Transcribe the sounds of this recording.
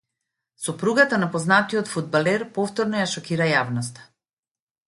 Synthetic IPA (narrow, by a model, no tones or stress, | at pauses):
sɔpɾuɡat̪anapɔznat̪ijɔt̪fud̪̚balɛɾpɔft̪ɔɾnɔjaʃɔkiɾajavnɔst̪ḁ